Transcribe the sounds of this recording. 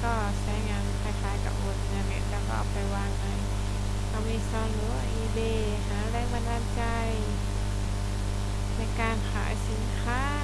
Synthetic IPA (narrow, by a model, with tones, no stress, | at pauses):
kɔː˧˩saː˨˧˦jŋaː˧nkʰaː˧˩˨kʰaː˨˦jka̰˧˩ʔoː˧˩t̪̚ːna˧˩ŋa˧˦t̪ɛː˧˩kɔː˧˩ʔa˧˩wpa˧jwaː˧ŋʔa˧˨j | ʔa˧wmniː˧˩sɔː˧˩nlɯ˧˦wa˧ʔiː˧beː˧˨˩ | haː˨˦ɾɛː˧˩˨ŋba˧ndaː˧˨nt͡ɕa˧j | na˧˩jkaː˧nkʰa̰ː˨˦˧si˨˦nkʰaː˧˥˨